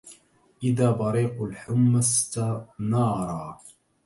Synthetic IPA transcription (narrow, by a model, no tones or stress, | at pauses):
ʔɪðaːbɑɾiːqʊlħʊmːast̪anɑːɾˤɑː